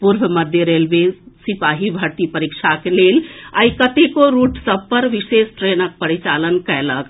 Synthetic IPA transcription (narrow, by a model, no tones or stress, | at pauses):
puɾbʱməd̪ʱjəɾelbesipaɦibʱəɾt̪ipəɾikt͡ʃʰakelela̰ikət̪ekoɾuʈsəb̚pəɾʋisest̪ɾenək̚pəɾit͡ʃalənkɛlək